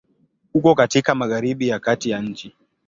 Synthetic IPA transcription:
hukɔkatikamaɣaɾiɓijakatijaɲ̩t͡ʃi

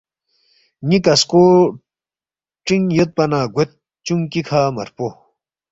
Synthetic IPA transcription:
ɲikɐsko | ʈ͡ʂiŋjet̪̚pɐnaːɡet̪̚ | t͡ɕuŋkikʰaːmɐ̰ɾpo

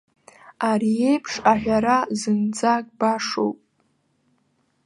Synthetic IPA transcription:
aɾie̞jpʰʂaħʷᶣaɾazɨnd͡zaɡ̚ʼbaʂo̰wpʼ

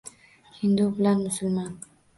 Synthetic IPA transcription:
hɪnd̪ubɪlanmʊsʊlmɑn

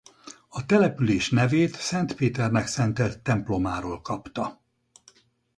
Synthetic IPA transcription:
ɒt̪ɛlɛpyleːʃnɛveːt̪sɛnt̪peːt̪ɛrnɛksɛnt̪ɛlt̪ːɛmplo̞maːɾoːlkɒpt̪ɒ

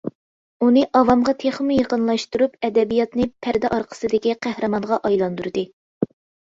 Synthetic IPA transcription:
unɨʔɑvɑmʁɑt̪ʰeχmujəqənlˠɑʃt̪uɾupɛd̪ɛbijɑt̪nɨpʰæɾd̪ɛʔɑɾqʰə̥sɨd̪ɪkʲiqʰæhɾɨmɑnʁɑʔɑjlˠɑnd̪uɾɨd̪ɨ

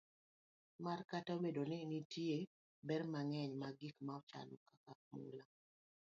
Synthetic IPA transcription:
markataobedonɪnitie | bɛrmaŋɛɲmaɡikmaɔt͡ʃa̰lɔkakamṵla

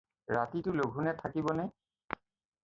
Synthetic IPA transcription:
ɹatitʊloɡʱunɛtʰakibɔnɛ

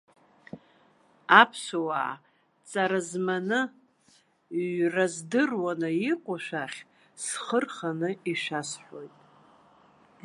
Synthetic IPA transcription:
apʰsawa̰ | t͡sʼaɾazmanɨ | razdɨrwanɨiqʷʼʊʃʷᶣaχʲ | sχərχanɨiʃasħʷᶣo̞jtʼ

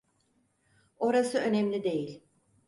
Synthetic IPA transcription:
o̞ɾasɯø̞nɛmlʲid̪e̞jilʲ

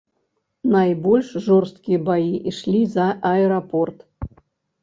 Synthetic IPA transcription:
najbɔlʲʂʐɔrst̪kʲijɐbajiʔiʂlʲizɐʔɐɛɾapɔrt̪

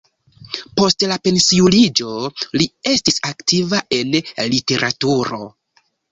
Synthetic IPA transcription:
po̞stlape̞nsiulid͡ʒo̞lie̞stisaktivaʔe̞nlite̞ɾʔatuɾo̞

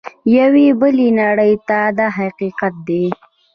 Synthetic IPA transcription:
jawibəlinaɽəjt̪ad̪aɦaqiqat̪̚d̪e

